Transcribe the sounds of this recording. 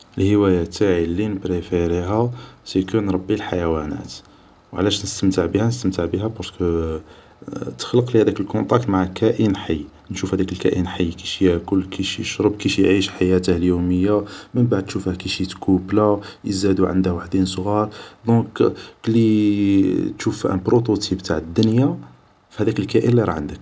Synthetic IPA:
ʔəlhəwæjat̪ʰːaʕilːinəpɾefiɾiɦæsikənɾˤɑbːilħajæwænæ̰t̪ | wʕlæʃnəst̪əmt̪əʕbihænəst̪əmt̪əʕbiɦæbɑɾˤkə | t̪ə̥xləqlihæd̪ækəlkɔ̃nt̪ˤɑk̚t̪maʕkʰæʔinħajː | nʃufhæd̪ækəlkæ̰ʔənħajːkiʃækʊlːkʰiʃjəʃɾəbkiʃjʕiʃħajæt̪əhljuməjːamənbaʕd̪̚t̪ʃufhækiʃit̪kʰublajəzæd̪uʕə̰nd̪əhwaħd̪insˤɣɑɾˤd̪ɔ̃kli | t̪ʃufʔæ̰pɾot̪ot̪ʰibt̪aʕəd̪ːʊnja | fhæd̪ækəlkæʔənliɾˤɑ̰ʕənd̪ək̚

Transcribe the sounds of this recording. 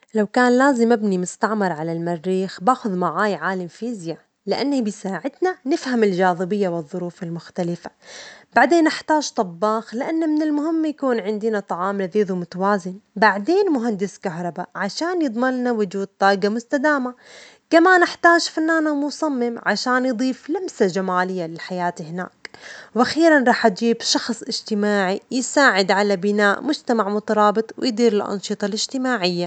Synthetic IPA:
lawkaːnlaːzɪmɪbnimʊst̪aʕmɑɾˤʕalalmarːiːxbaːxʊðmaʕaːjʕaːlamfiːzja | lɪʔanːabɪjsaːʕɪd̪nanɪfhamɪlʒaːðˤɨbɪjːawɨðˤːʊɾuːfɪlmʊxt̪alɪfabaʕd̪eːnʔaħt̪aːʒt̪ˤɑbːɑːxlɪʔanːamɪnɪlmʊɦɪmːjakuːnʕɪnd̪ɪnat̪ˤɑʕɑːmlaðiːðumʊt̪awaːzɪnbaʕd̪eːnmʊɦand̪ɪskaɦɾˤɑbaʕaʃaːnjɨd̪ˤmɑlnawʊd͡ʒuːd̪̚t̪ˤɑːʔɡamʊst̪ad̪aːma | kamaːnɪħt̪aːd͡ʒfanːaːnamʊsˤɑmːɪmʕaʃaːnjd̪ˤiːflambsad͡ʒamaːlɪjːalɪlħajaːt̪ihɪna̰ːkwʔaxiːɾanɾˤɑːħʔat̪d͡ʒiːbʃɑxsˤʔɪd͡ʒt̪ɪmaːʕijɪsaːʕɪd̪ʕalabɪnaːʔmʊd͡ʒt̪amaʕmʊt̪ɑɾˤɑːbɨt̪ˤwɪ̰jd̪iːɾɪlʔɑ̰nʃɨt̪ˤɑlɪd͡ʒt̪ɪmaːʕɪjːa

